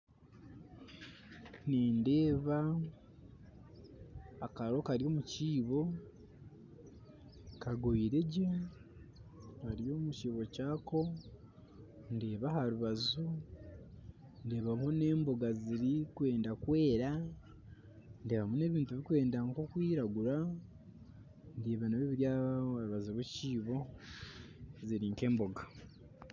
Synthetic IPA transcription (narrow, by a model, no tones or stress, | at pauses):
neːnde̞ːβa | kaɾo̞kaɾio̞ːmuciːβo̞ | kaɡoiɾe̞ɟe | haɾijo̞ːmuciːβo̞caːko̞ | nde̞ːβahaɾuβazu | nde̞ːβamune̞ːmbo̞ɡaziɾikwe̞ːndakwe̞ːɾa | nde̞ːβamune̞βiːntuβikwe̞ːndaŋko̞kwiːɾaɡuɾa | ndeːβanaβeβiɾjaaɾuβazuβweciːβo̞ | ziɾiŋke̞ːmbo̞ɡa